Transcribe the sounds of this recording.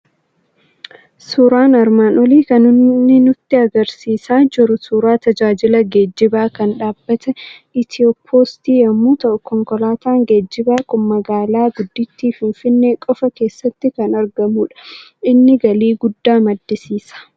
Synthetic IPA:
suːɾaːnɐɾmaːnɔliːkɐnʊnːɪnʊt̪ːɪɐɡɐɾsiːsaːd͡ʒɪɾʊsuːɾaːt̪ɐd͡ʒaːd͡ʒɪlɐɡe̞ːd͡ʒːɪbaːkɐnᶑaːb̥ːɐt̪ɛʔɪt̪ɪoːpʰoːst̪iːjɐmːuːt̪ɐʔʊkɔŋkɔlaːt̪aːŋɡeːd͡ʒːɪbaːkʊmːɐɡaːlaːɡʊd̪ːɪt̪ːiːfɪnfɪnːe̞ːkʼɔfɐke̞ːsːɐt̪ːɪkɐnɐɾɡɐmuːᶑɐ̥ʔɪnːɪɡɐliːɡʊd̪ːaːmɐd̪ːɪsiːsɐ̥

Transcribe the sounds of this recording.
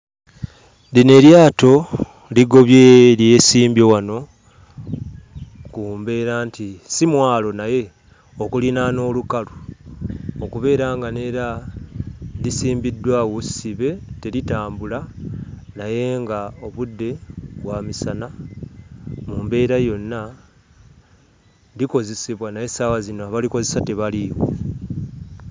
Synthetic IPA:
dine̞ljaːto̞ | liɡo̞βjelje̞siːmbjo̞wano̞ | kuːmbe̞ːɾaːntʰisimwaːlo̞naje̞ | okulinano̞ːlukalu | okuβe̞ːɾaːŋɡane̞ːɾa | lisiːmbidːwawosiβe̞te̞litaːmbula | naje̞ŋɡao̞βudːe̞βwamisana | muːmbe̞ːɾajo̞nːa | liko̞ze̞siβwanaje̞sawazinoaβaliko̞ze̞sate̞βaliɣwḛ

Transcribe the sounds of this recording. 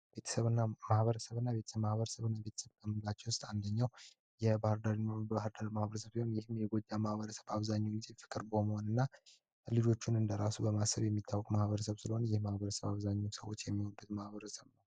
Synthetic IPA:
be̞t̪ʰə̥səβɨnːamahβəɾəsəβɨnːaβe̞t̪ʰəmahβəɾəsəβɨnːabe̞t̪ʰə̥səβt̪əmːlat͡ʃːɛwʊst̪ʼand̪əɲːaw | jɛbahɨɾd̪aɾibahɨɾd̪aɾimahβəɾəsəβehonjɪhmjɛɡo̞d͡ʒamahβəɾəsəβaβzaɲːuɡɪzefɨ̥kʼɨɾbəməho̞nɨnːa | lid͡ʒo̞t͡ʃːunɨnd̪əɾasubəmasːəβjɛmːit̪ʰːawːɔkʼmahβəɾəsəβsɨləho̞njɪhmahβəɾəsəβaβzaɲːusəwo̞t͡ʃːjɛmːihonbut̪mahβəɾəsəβnəw

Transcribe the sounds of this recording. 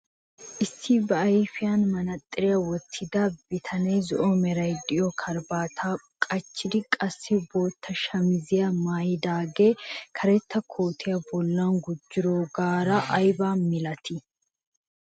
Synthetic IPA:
ʔɪsːɪbɐɐjɪfɪjanmɐnɐt̪ʼːɪɾɪjɐwɔt̪ʰːɪd̪ɐbɪt̪ʰɐneːzɔʔɔmɛɾɐjd̪ɪjɔkʰɐɾbaːt̪ʰaː | kʼɐt͡ʃːɪd̪ɪkʼɐsːɪbo̞ːt̪ʰːɐʃɐmɪzɪjɐmaːjɪd̪aːɡeːkʰɐɾɛt̪ːɐkʰoːt̪ʰɪjɐbɔlːanɡʊd͡ʒːɪɾoːɡaːɾɐʔːjbaːmɪlɐt̪ʰɪ

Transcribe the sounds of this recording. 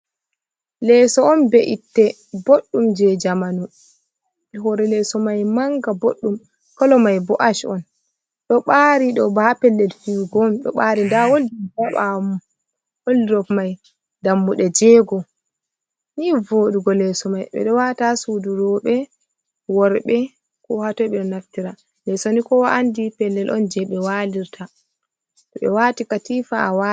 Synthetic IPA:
lɛsɔɔnbɛʔitːɛ | boɗːumd͡ʒɛd͡ʒamanu | ɛɦɔɾɛlɛsɔmajmaŋɡaboɗːum | kɔlɔmajbɔʔaʃɔ̰n | ɗɔɓaɾiɗɔbaapɛlːɛlfiwɡɔmɗɔ̰ɓaːɾindawoldid͡ʒaɓam | woliɾɔfmaj | damːuɗɛd͡ʒɛːɡɔ | nivoːɗuɡɔlɛsɔmajɓɛ̰ɗɔwatasuduɾɔɓɛ | wɔɾɓɛ | kɔhatɔjɓɛɗɔnaftiɾa | lɛsɔnikɔwaandipɛlːɛlʔɔ̰nd͡ʒɛɓɛwaliɾtʰa | tɔɓɛ̰waːtikatifaawa

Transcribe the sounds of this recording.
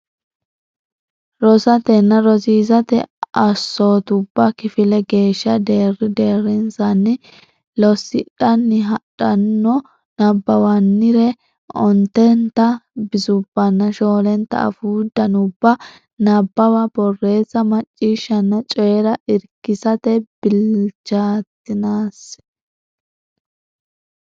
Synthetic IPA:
ɾɔsɐt̪ɛnːɐɾɔsiːzɐt̪ɛ̰ɐsːoːt̪ʊbːɐkɪfɪlɛɡe̞ːʃːɐd̪e̞ːrːɪd̪e̞ːɾɪnsɐnːɪ | lɔsːɪᶑɐnːɪɦɐᶑɐnːɔ | nɐbːɐwɐnːɪɾɛ | ɔnt̪ɛnt̪ːɐbɪzʊbːɐnːɐʃoːlɛnt̪ːɐ̰ɐ̰fuːd̪ɐnʊbːɐ | nɐbːɐwɐbɔrːe̞ːzːɐmɐt͡ʃʼːiːʃːɐnːɐt͡ʃʼɔjɛɾɐʔɪɾkːɪsɐt̪ɛb̥ɪlt͡ʃːaːt̪ːɪnaːs

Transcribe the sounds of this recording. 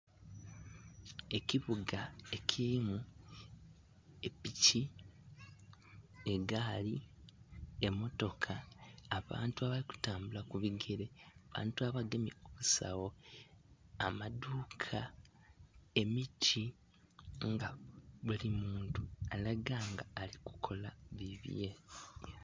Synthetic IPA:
e̞kiβuɡae̞kʰiimu | e̞pici | e̞ɡaːli | emo̞to̞kʰaːβa̰ːntuaβaliku̥taːmbulakuβiɡeɾeaβa̰ːntuaβaɡe̞mioβusa̰wo̞ | amaduːkʰa | e̞mitʰi | ŋɡaβulimuːntualaɡaːŋɡaːliku̥kʰo̞laβiβje

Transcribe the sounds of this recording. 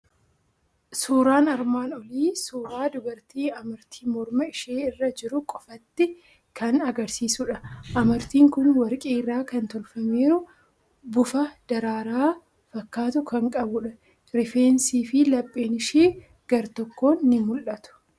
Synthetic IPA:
suːɾaːnɐɾmaːnɔliːsuːɾaːd̪ʊbɐɾt̪iːɐmɐɾt̪ʰiːmɔɾmɐɪʃeːɪrːɐd͡ʒɪɾʊkʼɔfɐt̪ːɪ | kʰɐnɐɡɐɾsiːsʊᶑɐʔɐmɐɾt̪iːŋkʊnwɐɾkʼeːɪrːaːkɐnt̪ɔlfɐme̞ːɾʊ | bʊfɐd̪̥ɐɾaːɾaː | fɐkːaːt̪ʊkɐŋkʼɐbʊᶑɐ | ɾɪfe̞ːnsiːfɪlɐpʼːeːnɪʃeː | ɡ̥ɐɾt̪ɔkːo̞ːɪmʊlʔɐt̪ʊ̥

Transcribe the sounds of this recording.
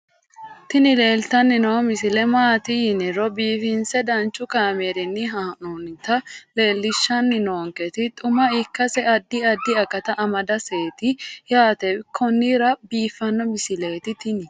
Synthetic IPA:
t̪ɪnɪle̞ːlt̪ɐnːɪnoɔmɪsɪlɛmaːt̪ɪjɪnɪɾɔbiːfɪnsɛd̪ɐnt͡ʃːʊkaːmeɾɪnːɪɦaːnunt̪ɐle̞ːlːɪʃːɐnːɪnoːŋkɛt̪ɪt̪ʼʊmɐɪkːɐsɛɐd̪ːɪɐd̪ːɪɐkɐt̪ɐʔɐmɐd̪ɐse̞ːt̪ɪjaːt̪ɛkʰɔnːiɾɐbiːfːɐnːɔmɪsɪle̞ːt̪ɪt̪ɪnɪ

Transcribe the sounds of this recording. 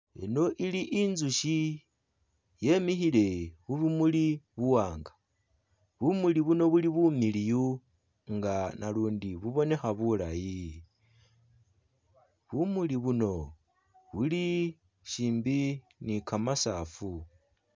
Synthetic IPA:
ḛno̞ʔiliʔinzuʃi | je̞mixile̞βuβumuliβuwaːŋɡa | βumuliβuno̞βuliβumiliju | ŋɡanaluːndiβuβo̞ne̞xaβulaji | βumuliβuno̞ | βuli | ʃiːmbi | nikamasaːfu

